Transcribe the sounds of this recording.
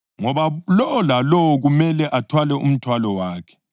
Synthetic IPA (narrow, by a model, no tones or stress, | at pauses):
ŋɔβalɔːlalɔwɔɣumɛlɛʔatʰwalɛṵm̩tʰwalɔwaːkʰɛ̥